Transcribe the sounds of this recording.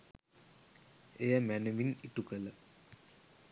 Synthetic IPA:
ejəmænəʋiniʈukələ

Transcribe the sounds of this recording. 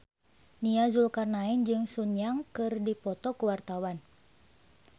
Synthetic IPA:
niazulkarnaind͡ʒɨŋsuɲjaŋkɨrdipɔt̪ɔkuwart̪awan

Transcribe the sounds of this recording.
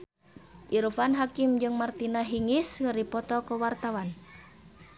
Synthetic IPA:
ʔiɾufanɦakimd͡ʒɨŋmart̪inaɦiŋiskəripɔt̪ɔkɔwart̪awan

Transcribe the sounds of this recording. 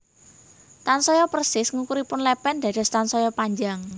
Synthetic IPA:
t̪ansɔjɔpərsɪsŋukuɾipʊnlɛpɛnd̥̪a̤d̪̥ɔ̤st̪ansɔjɔpaɲd͡ʒaŋ

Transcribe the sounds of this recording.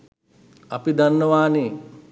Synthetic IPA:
ɐpid̪anːəʋaːneː

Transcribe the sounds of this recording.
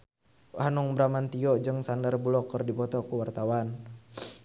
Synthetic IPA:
hanuŋbɾamant̪iɔd͡ʒəŋsandərbulɔkərdipɔt̪ɔkuwart̪awan

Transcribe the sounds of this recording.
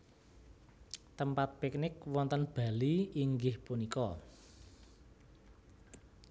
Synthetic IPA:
t̪əmpat̪̚pik̚nɪkwɔnt̪ənb̥ä̤liiŋɡɪhpunikɔ

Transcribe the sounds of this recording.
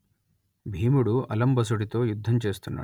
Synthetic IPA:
bʱiːmuɽuʔɐlɐmbʱɐs̬uɽit̪oːjud̪ʱːɐnt͡ʃeːst̪unːɐ̰

